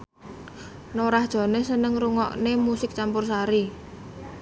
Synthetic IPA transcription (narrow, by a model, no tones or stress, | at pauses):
noɾahd̥ʒ̥ɔ̤nesənəŋruŋɔ̰ʔnemusɪk̚t͡ʃampʊrsaɾi